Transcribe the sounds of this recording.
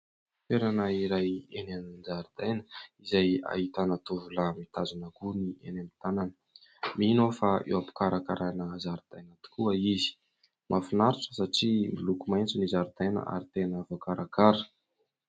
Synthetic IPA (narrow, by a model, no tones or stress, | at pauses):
feɾanaiɾajenenind͡ʒaɾid̪̥ajnəizaja̰ɦit̪anat̪uvulamit̪azunakunienamit̪ananə̥ | minofaḛwapu̥kaɾakaɾʔanəzaɾud̪̥ajnat̪u̥kuəizi̥ | mʔafinaɾiʈ͡ʂə̥saʈ͡ʂimilukumajnt͡sinizaɾd̪ajnə̰ʔa̰ɾit̪enəvokaɾakaɾə̥